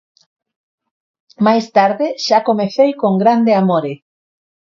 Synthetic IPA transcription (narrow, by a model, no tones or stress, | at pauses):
majst̪aɾðɪʃakomeθejkoŋɡɾand̪eamoɾe